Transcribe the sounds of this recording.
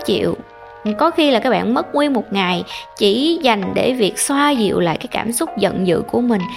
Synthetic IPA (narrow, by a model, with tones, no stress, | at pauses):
t͡ɕḭ˧˨əw | kɔ˨˦xi˧laː˨˩kaː˦˥k̚ɓa̰ː˧˨nmə˦˥t̚ŋwi˧ənmo˨˩t̚ŋa˨˩jt͡ɕi˧˩za˨˩jŋ̟ɗe˧˩vi˨˩ək̚swaː˧zḭ˧˨əwla̰ː˧˨jkaː˨˦jkaː˧˩msʊ˦˥k͡p̚zə̰˧˨nzɨ̰˧˨ku˧˩əmï˨˩ŋ̟